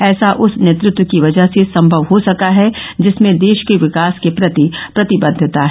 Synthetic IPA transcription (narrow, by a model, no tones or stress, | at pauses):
ɛːsaʔʊsneːt̪ɾʊt̪wəkiʋɐd͡ʒəɦsesɐ̃mbʱɐʋɦosɐkaɦɛd͡ʒɪsmẽd̪eːʃkeʋɪkaːskepɾɐt̪ipɾɐt̪ɪbəd̪ʱːət̪aɦɛ